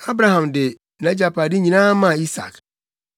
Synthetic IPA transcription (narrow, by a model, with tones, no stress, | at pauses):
a˦bɾa˨ɦã˨mdɪ˨ | nã˨˦d͡ʑa˨pʰa˨dɪ˦ɲĩ˨nãː˦mã˦˨i˦sa̰˨k